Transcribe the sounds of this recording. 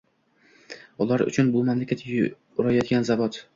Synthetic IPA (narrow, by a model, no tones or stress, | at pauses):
ʊlˠaɾʊ̰t͡ʃʰʊnbʊmamlakʲʰat̪ʰː | ɾajɒd̪̚ɡʲanzavɒt̪